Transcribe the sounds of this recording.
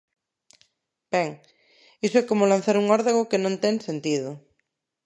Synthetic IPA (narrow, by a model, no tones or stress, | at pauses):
bɛŋ | isoɛkomolãnθaɾuŋɔɾðaɣokenõnt̪ɛŋsent̪iðʊ